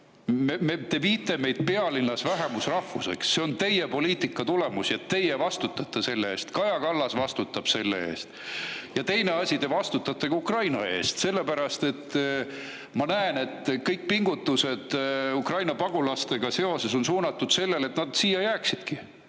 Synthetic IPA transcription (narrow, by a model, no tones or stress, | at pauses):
memet̪e̞viːt̪ːˑeme̞jd̪̥̚pe̞ɑlinːɑsvæɦe̞musrɑhvuse̞̰ksːeo̞nt̪e̞jepo̞liːt̪ikːˑɑt̪ule̞musjɑt̪ːe̞jevɑst̪ut̪ːˑɑt̪ːˑɑse̞lːeeːst̪kɑjɑkɑlːɑsvɑst̪ut̪ːˑɑb̥se̞lːḛe̞̰ːst̪jɑt̪e̞jne̞ɑsʲit̪e̞vɑst̪ut̪ːˑɑt̪ːˑeɡ̥ɑukrɑjnɑe̞̰ːst̪se̞lːe̞pæɾɑst̪e̞t̪ː | mɑnæene̞t̪ːkɤjk̚piŋɡ̥ut̪ːˑuse̞d̪̥ukrɑjnɑpɑɡ̥ulɑst̪e̞ɡ̥ɑse̞o̞se̞so̞nsuːnɑt̪ːˑud̪̥se̞lːe̞le̞t̪nɑd̪̥siːjɑjæːksid̪̥ki